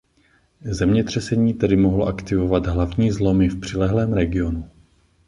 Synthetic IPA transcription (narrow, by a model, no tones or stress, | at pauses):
zɛmɲɛt̪r̝̥ɛsɛɲiːt̪ɛdɪmoɦloʔakt̪ɪvovad̪ɦlavɲiːzlo̞mɪfpr̝̥ɪlɛɦlɛːmɾɛɡɪo̞nu